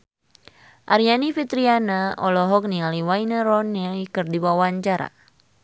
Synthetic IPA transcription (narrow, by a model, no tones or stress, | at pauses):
ʔaɾianifit̪ɾianaɔlɔɦɔk̚nialiwajnaɾɔnɛlikɨrdiwawaɲt͡ʃaɾa̰